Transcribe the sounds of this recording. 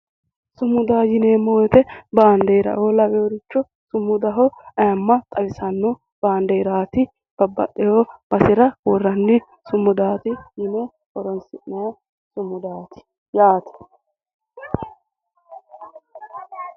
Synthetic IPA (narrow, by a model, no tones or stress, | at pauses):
sʊmːʊd̪aːjɪneːmowɛt̪ɛbaːnd̪ɛjɾɐ̰ʔolɐbɛjɔɾɪt͡ʃːɔ | sʊmːʊd̪ɐɦɔɐjɐmːɐt̪ʼɐbɪsɐnːʊ | b̥aːnd̪ɛjɾaːt̪ɪ | b̥ɐbːɐ̰ɗːɛjob̥ɐsɪɾɐwɔrːɐnːɪ | sʊmːʊd̪aːt̪ɪjɪneː | ʔɔɾɔnsɪnːɐj | sʊmːʊd̪aːt̪ɪ̥ | jaːt̪ɐ̥